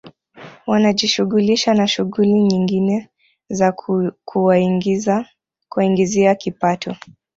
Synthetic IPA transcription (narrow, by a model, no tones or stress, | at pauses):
wanaʄiʃuɣuliʃanaʃuɣuliɲiŋɡinɛ | zakʰuwa | kuaiŋɡiziakipatʰɔ